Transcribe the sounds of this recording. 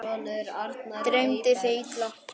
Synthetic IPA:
at̪t̪ɾeɥmt̪ɪθeit̪lapʰ

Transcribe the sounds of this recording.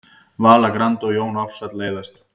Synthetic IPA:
vaːlakɾant̪ɔɣjoːwnɔfsat̪leːjðast̪

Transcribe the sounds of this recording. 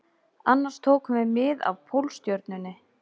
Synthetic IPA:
anːaɾ̥st̪ʰoːwkʏmvɛmɪða̰vpʰowlst̪jœɾt̪nʏnːɪ

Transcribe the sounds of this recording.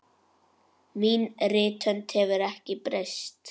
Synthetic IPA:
miːnrɪːt̪ʰœnt̪hɛvʏɾɛhcɪpɾɪst̪

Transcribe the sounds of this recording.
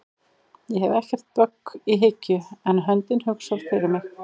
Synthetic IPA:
jɛɦɛvɛhcɛr̥t̪̚pœkːiɦɪcːʏɛnɦœnt̪ɪnhʏksaɾfɪɾɪɾmɪx

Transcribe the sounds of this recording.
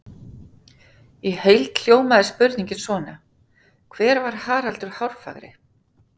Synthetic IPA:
ihejlt̪l̥joːwmaðɪspʏɾniɲcɪnsvɔːna | kʰvɛːɾvaɾ̥haːɾalt̪ʏɾ̥hawɾ̥fa̰ɣɾɪ̰

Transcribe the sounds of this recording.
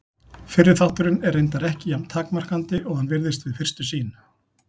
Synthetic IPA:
fɪɾːɪɾ̥θawht̪ʏɾɪnɛrːejnt̪aɾɛhcɪjamt̪ʰaːkmar̥kant̪ɪʔɔɣhanvɪɾðɪst̪vɪðfɪr̥st̪ʏsiːn

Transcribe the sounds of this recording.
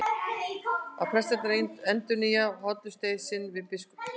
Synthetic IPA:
a̰pʰɾɛst̪ɛt̪ɾejnt̪ɛnt̪ʏnijaɦɔt̪lʏst̪ejsɪnvɪðpɪskʊ̥

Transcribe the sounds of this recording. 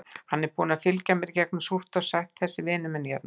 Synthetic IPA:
hanːɛɾpuːnafɪlcamɪɾcɛknɪsur̥t̪ɔsajht̪θɛsːɪvɪːnʏmɛnjɛt̪na

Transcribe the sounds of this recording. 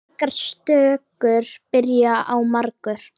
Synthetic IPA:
kaɾ̥st̪œːkʏɾ̥pɪɾjaʔawmaɾkʏɾ̥

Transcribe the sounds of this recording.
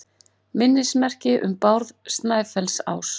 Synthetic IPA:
mɪnːɪsmɛr̥cɪʔʏ̰mpawɾðst̪naːjfɛlsa̰ːws

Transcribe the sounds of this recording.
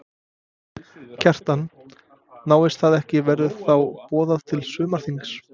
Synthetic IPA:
cʰɛr̥t̪an | naːwɪst̪θaðɛhcɪvɛɾðʏðθawpɔːðaðt̪ʰɪlsʏːmaɾ̥θiŋks

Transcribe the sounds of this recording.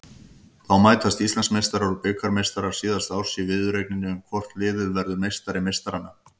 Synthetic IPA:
θawmaːjt̪ast̪ist̪lansmejst̪aɾaɾɔpʏːkaɾmejst̪aɾaɾ̥siːðast̪awsɪvɪðʏɾejk̚nɪnːɪʏmkʰvɔr̥t̪lɪːðɪðvɛɾðʏmejst̪aɾɪmejst̪aɾanːa

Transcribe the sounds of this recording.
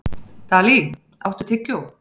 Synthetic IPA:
t̪aːli | a̰wht̪ʏt̪ʰɪcjo

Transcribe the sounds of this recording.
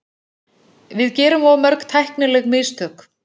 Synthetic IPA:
vɪðcɛːɾʏmɔmœɾkt̪ʰajhknʏlɛɣmɪst̪ʰœk

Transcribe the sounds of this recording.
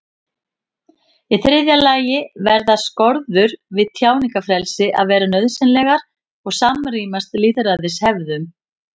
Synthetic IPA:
iθɾɪðjalaːjɪvɛɾðaskɔɾðʏɾvɪðt̪ʰjaːwnikafɾɛlsɪʔa̰ðvɛːɾanœðsɪnlɛːɣaɾ̥ | ɔɣsamriːmast̪liːðɾaðɪshɛvðʏm

